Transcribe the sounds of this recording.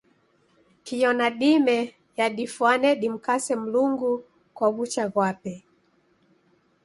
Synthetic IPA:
kijɔnaɗimɛ | jaɗifwanɛɗim̩kasɛm̩luŋɡu | kwaβut͡ʃaɣwapɛ

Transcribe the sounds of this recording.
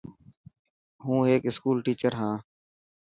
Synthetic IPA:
ɦũːeːkɪskuːlʈiːt͡ʃəɾɦãː

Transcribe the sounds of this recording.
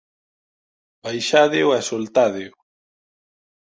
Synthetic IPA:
bajʃaðeoasolt̪aðeo

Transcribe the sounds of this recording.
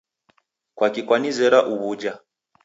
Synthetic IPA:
kwakikwanizɛɾaʔuβud͡ʒa

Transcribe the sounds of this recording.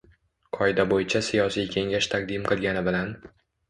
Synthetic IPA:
qʰɒɪd̪abojɪt͡ʃʰasijɒsijkʲʰe̞ŋɡʲaʃt̪ʰaq̚d̪imqʰɨlˠɡʲanɪbɪlan

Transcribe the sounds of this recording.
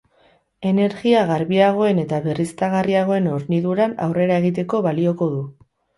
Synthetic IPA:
e̞ne̞ɾɣiaɣaɾβiaɣ̞o̞e̞ne̞t̪aβe̞rist̪aɣ̞ariaɣ̞o̞e̞no̞ɾniðuɾana̰wre̞ɾae̞ɣ̞it̪e̞ko̞βalio̞ko̞ðu

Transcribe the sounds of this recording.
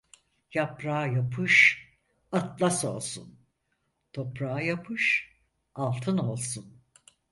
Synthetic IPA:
japɾaːjapʰɯʃ | at̪lˠaso̞̰lˠsṵn | t̪ʰo̞pɾajapʰɯʃ | alˠt̪ʰɯno̞lˠsun

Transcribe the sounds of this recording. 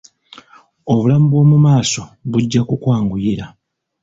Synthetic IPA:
o̞βulamubo̞ːmumaːso̞βuɟːakukwaːŋɡujiɾa

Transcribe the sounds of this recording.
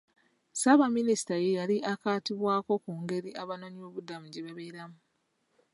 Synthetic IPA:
saβaminisi̥tajejaliʔakaːtiβwaːko̞kuːŋɡe̞ɾiʔaβano̞ɲio̞ːβudamuɟe̞βaβe̞ːɾamu

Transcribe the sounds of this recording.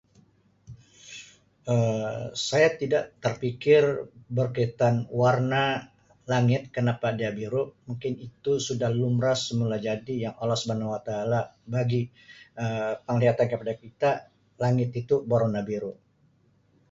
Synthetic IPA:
ʔəsajat̪idaʔt̪ərpikɪrbərkəit̪anwarna | laŋɪt̪̚kənapadiabiɾuʔmuŋkɪnit̪usudahlumɾasəmulad͡ʒadijaŋʔalːɔhsubanawat̪aːlabaɡi | əpəŋliat̪ankəpadakit̪a | laŋɪt̪it̪uboɾonabiɾuʔ

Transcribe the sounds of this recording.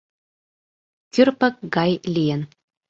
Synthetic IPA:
kʲyrpək̚ɡɑjlʲijɘ̆n

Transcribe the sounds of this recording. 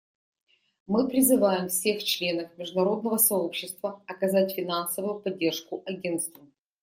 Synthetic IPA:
mɨpɾʲɪzɨvajɪmfsʲe̞xt͡ɕlʲe̞nəfmʲɪʐd̪ʊnɐɾo̞d̪̚nəvəsɐopɕːɪst̪vəɐkɐzatʲfʲɪnansəvʊjʊpɐdʲːe̞rʂkʊʔɐɡʲe̞nt̪st̪və

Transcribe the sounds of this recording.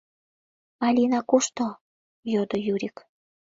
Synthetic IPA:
ɑlʲinɑkuʃt̪o | jod̪ojuɾʲik

